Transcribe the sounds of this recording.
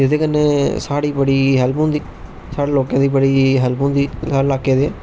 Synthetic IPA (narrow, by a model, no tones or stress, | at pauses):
ed̪eːkənːeːsaːɽiːbəɽiːɦɛːlpõnd̪iː | saːɽeːloːkãːd̪iːbəɽiːɦɛlpõːnd̪iːsaːɽlaːkːeːd̪eː